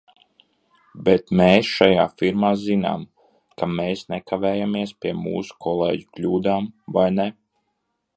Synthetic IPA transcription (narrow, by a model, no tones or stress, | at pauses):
bet̪meːsʃajaːfiɾmaːzina̰ːm | kameːsnɛkavɛːjamiɛspʲiɛmṵːsu̥kʰɔlˠḛːɟuklʲuːd̪aːmvajne